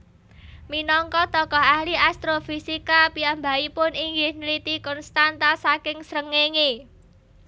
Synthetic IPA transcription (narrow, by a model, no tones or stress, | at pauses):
minɔŋkɔt̪ɔkɔɦahliast̪ɾofisikapiambaipʊniŋɡɪhnəlit̪ikɔnst̪ant̪asakɪŋsɾəŋeŋe